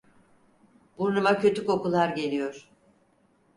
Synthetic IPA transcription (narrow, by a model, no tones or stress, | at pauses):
buɾnumacø̞t̪yko̞kulˠaɾɟe̞lʲijo̞ɾ̥